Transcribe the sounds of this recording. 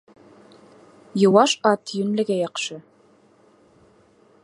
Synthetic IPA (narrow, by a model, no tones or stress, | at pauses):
jɤ̆wɑʃɑt̪jɵ̆nlɘ̆ɡæjɑqʃɤ